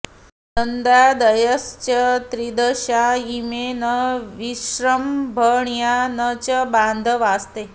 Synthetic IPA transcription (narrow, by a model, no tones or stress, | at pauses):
dənd̪ad̪əjəst͡ɕət̪ɾid̪əɕaimenəʋiɕɾəmbʱəɳjanət͡ɕəband̪ʱəʋast̪e